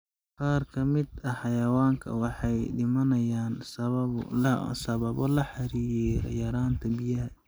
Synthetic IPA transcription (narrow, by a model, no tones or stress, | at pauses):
qɑːrkʰɐmɪd̪ɐħɑjɐwaːŋkʰɐ̰wɑħɑjɖɪmɐnɐjaːnsɐ | sɐβɐβɔlɐħɑɾiːjɛjɐɾaːnt̪ʰɐbɪjɐhɐ